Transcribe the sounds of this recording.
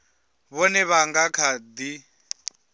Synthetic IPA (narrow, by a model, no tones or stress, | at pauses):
βɔnɛβaŋɡakʰad̪i